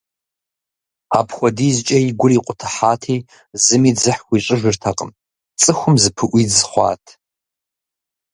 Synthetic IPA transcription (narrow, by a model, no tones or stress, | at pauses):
apʰxʷɔdiːzt͡ʃʼɐjiɡʷʊriːqʷʼʊtʰɨ̥ħaːtʰeː | zɨmiːd͡zɨħwʷiɕʼɪʒʷɪrtʰaqʼə̰m | t͡sʼɨxʷʊmzɨpʰɨʔʷizχʷɑ̰ːtʰ